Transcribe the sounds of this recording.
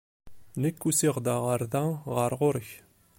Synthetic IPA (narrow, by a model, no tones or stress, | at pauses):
nəkːusiʁd̪ɑʁɑɾðɑʁɑɾʁoɾç